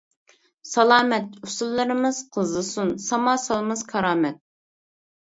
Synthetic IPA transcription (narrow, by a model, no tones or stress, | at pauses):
sɑlˠɑːmɛt̪usulˠːɾɨmɨz̥qʰəzɨsunsɑmɑːsɑlˠmɨzkʰɑɾɑːmɛt̪̚